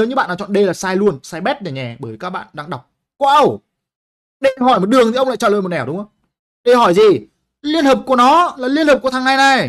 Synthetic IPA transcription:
ə˨˦ɲɨ˧ɓa̰ː˧˨n˨aː˨t͡ɕɔ̰˧˨nɗe˧laː˨˩saː˧jlu˧ənsaː˧jɓɛ˦˥t̚ɗe˨˩ɲɛ˨˩ɓəː˧˩jkaː˦˥k̚ɓa̰ː˧˨nɗaː˧ŋɗa˨˩wk͡p̚ | kwʔə˧˩w | ɗe˧ɦɔ˧˩jm˨˩t̚ɗɨ˨˩əŋt̪ʰi˨ə˧wŋ͡mla̰˧˨t͡ɕə̰ː˧˨əː˨˩jm̚˨˩ʔɛ˨˧˩wɗŋ͡mə˧˦ | ɗe˧˩hɔ˧˩jzi˨˩ | li˧ənhəː˨˩p̚ku˧˩ənɔ˨˦laː˨˩li˧ənhəː˨˩p̚kt̪ʰa˧ŋːa˧jna˨˩j

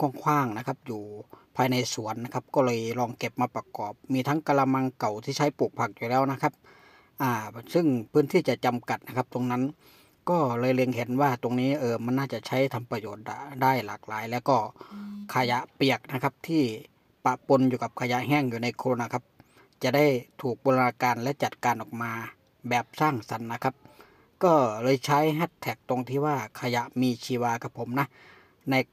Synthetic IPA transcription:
kɔː˧˩˨ŋkʰwaː˧˥˩ŋna˧kʰa˧˥p̚juː˨˩pʰaː˧jna˧jsu˨˩˦ənːa˧˥kʰa˧p̚kɔː˧˩lɤː˧jlɔː˧˩ŋke˧p̚maː˧pa˧kɔː˨˩˦p̚miː˧t̪ʰa˦˥ŋka˧la˧ma˧ŋka˨˩wt̪ʰiː˥˩t͡ɕʰa˧˥˩jpuː˨˩k̚pʰa˧˩k̚juː˨˩lɛː˦˥˩wna˧˥kʰa˦˧˥p̚ | ʔaː˧˩sɯ˧˩ŋpʰɯː˦˥˨nt̪ʰiː˧˥˩t͡ɕa˨˧˩ʔt͡ɕa˧mka˨˩t̪̚na˧˥kʰa˦˧˥p̚t̪o˧ŋna˦˥˨n | kɔː˧˥˩lɤː˧jle˧ŋhe˨˦nwaː˧˩t̪o˧ŋniː˦˥˩ʔɤː˧˩ma˧˥nːaː˧˥˩t͡ɕa˨˩˨t͡ɕʰa˦˥jt̪ʰa˧mpa˧joː˨˩t̪̚da̰˧˩daː˥˩jlaː˨˩k̚laː˨˦jlɛː˧˥˩wkɔː˧˥˩kʰa˧ja˧ʔpi˨˩ək̚na˦˥kʰa˧˥p̚t̪ʰiː˧˩ | pa˧˨ʔpo˧njuː˧˩ka˨˦p̚kʰa˧ja˧˥ʔɦɛː˧˥˩ŋjuː˨na˧jkʰo˧o˧naː˧kʰa˧˥p̚ | t͡ɕa˨˩ʔda˥˩jt̪ʰuː˨˩k̚boː˧la˧naː˧kaː˧nlɛ˦˧˥t͡ɕa˨˩t̪̚kaː˧nʔɔː˨˩k̚maː˧ | bɛː˨˩p̚saː˧˥˩ŋsa˨˦nːa˦˥kʰa˦˥p̚ | kɔː˥˩lɤː˧jt͡ɕʰa˦˥jɦa˧˩t̪ʰːɛː˨˩k̚t̪o˧ŋt̪ʰiː˧˩waː˧˩kʰa˧ja˧˥ʔmiː˧t͡ɕʰiː˧waː˧kʰa˧˩pʰo˨˦mna˧˥ | na˧j

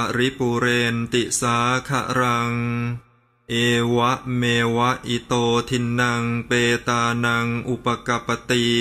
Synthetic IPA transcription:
a˧ɾi˦˥puː˧ɾeː˧nt̪i˨˩saː˩˦˥kʰa̰˧˩ʔɾa˧ŋ | ʔeː˧wa˦˥ʔmeː˧wa˦˥ʔʔi˧˩t̪oː˧t̪ʰi˧nːa˧ŋpeː˧t̪aː˧na˧ŋʔu˨˩pa˧ka˧pːa˧t̪i˧

